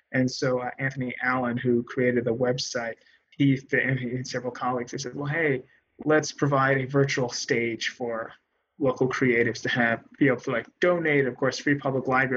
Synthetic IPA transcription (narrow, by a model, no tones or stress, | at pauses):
ɨ̃nsoʊʔæ̃nθɨniʔælˠə̃nɦukʰɹ̥ieɪɾɨd̪̚ðəwɛbsaɪt̚ | hiðɨɨ̃ni̥sɛvɹl̩ˠkʰɑlˠiɡz̥ɨsɛz̚wɛlˠɦeɪ | lətspʰɹ̥ɨvaɪɾɨvɜ˞t͡ʃul̩ˠsteɪd̥ʒ̥fə˞ | loʊkl̩ˠkʰɹ̥ieɪɾɨvz̥tʰɨɨvb̥ieɪbl̩ˠtʰəlaɪk̚d̥õʊ̃neɪɾɨɾʌv̥kʰɔɹsɹipʰʌbləklaɪb